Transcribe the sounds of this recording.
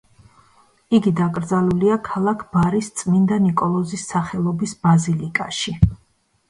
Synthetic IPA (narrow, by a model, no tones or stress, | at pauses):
iɡid̪akʼɾd̪zaluliakʰalˠakʰb̥aɾist̪sʼmind̪anikʼɔlˠɔzisːaχɛlˠɔbisb̥azilikʼaʃi